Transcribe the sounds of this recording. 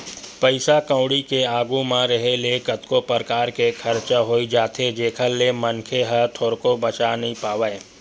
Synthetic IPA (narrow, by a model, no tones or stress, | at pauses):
pəɪsakə̃ʊɽikeaːɡumãɾəɦeleːkət̪kopəɾkaːɾkekʰɐɾt͡ʃaɦoːid͡ʒaːt̪ʰed͡ʒeːkʰəlːemənkʰeɦət̪ʰoːɾkobət͡ʃanɐɦĩpaːʋəe